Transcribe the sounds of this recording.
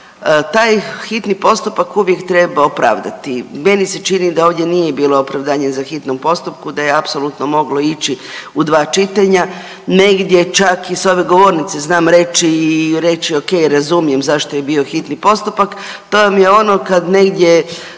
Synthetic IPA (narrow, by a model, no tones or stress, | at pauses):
t̪aːjxit̪nipo̞st̪upakuʋje̞kt̪ɾe̞baopɾa̰ːʋd̪at̪ime̞nise̞t͡ʃinid̪ao̞ːʋd̪je̞nije̞biːlˠoopɾaʋd̪aːɲezaxit̪nompo̞st̪up̚kud̪ajeapso̞lut̪nomo̞ɡlo̞it͡ɕiud̪ʋaːt͡ʃit̪aɲa | ne̞ɡd̪ʲje̞t͡ʃakiso̞ʋe̞ɡo̞ʋo̞ɾnit̪se̞znaːmɾe̞t͡ʃiːɾe̞t͡ʃio̞ke̞jɾazumije̞mzaʃt̪oje̞bio̞xit̪nipo̞st̪upak | t̪ojamjeo̞nokad̪ne̞ɡd̪ʲje̞